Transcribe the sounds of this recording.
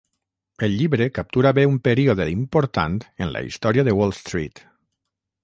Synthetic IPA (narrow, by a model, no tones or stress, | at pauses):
elʎiβɾekap̚t̪uɾaβeumpeɾioðeimpoɾt̪a̰nt̪enla̰ḭst̪ɔɾiaðewolˠst̪ɾḭt̪